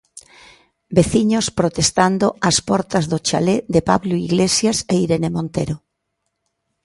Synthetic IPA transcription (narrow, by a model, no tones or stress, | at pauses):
beθiɲospɾot̪est̪and̪oaspɔɾt̪ɐzðot͡ʃa̰led̪epa̰βloiɣlesjaseiɾenemõnt̪eɾo